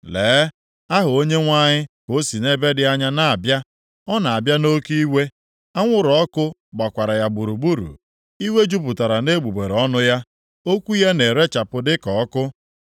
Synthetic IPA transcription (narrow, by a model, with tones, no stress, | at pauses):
leː˨˦ | a˦ɦʊ˨o˦ɲe˦ŋʷa˦ɲɪ˦ko˨˦si˨ne˦be˦dɪ˦a˦ɲa˦na˨a˨bja˦ | ɔ˦na˨a˨bja˦no˦kii˦we˦ | a˦ŋʷʊ˦ɾɔ˦kʊ˦ɡ͡ba˨kʷa˨ɾa˨ja˨ɡ͡bu˨ɾu˨bu˦ɾṵ˨ | i˦we˦d͡ʒu˦p̬ʊ˨ta˨ɾa˨ne˦ɡ͡bu˨ɡ͡be˨ɾɔ˦nʊ˦ja˦ | o˦kʷu˦ja˦ne˨ɾe˦t͡ʃa˨pʊ˨dɪ˦kɔ˨˦kʊ˦